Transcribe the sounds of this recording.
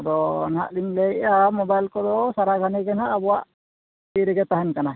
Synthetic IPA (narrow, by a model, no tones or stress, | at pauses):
d̪ɔ̰nha̰ʔliŋlɛjamɔbajlkɔd̪ɔsaɾaɡʱanɛɡɛnhaʔːbɔwaʔ | iɾɛɡɛt̪aɦɛnkana